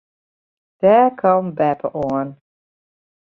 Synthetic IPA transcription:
ð̥ɛkʰʌ̃mbæpʰəʔɔn

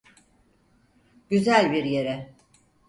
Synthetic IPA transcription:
ɟ̥yzælʲbiɾje̞ɾɛ

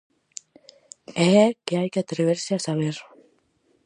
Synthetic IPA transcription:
eekeajkeat̪ɾeβeɾsiasaβeɾ

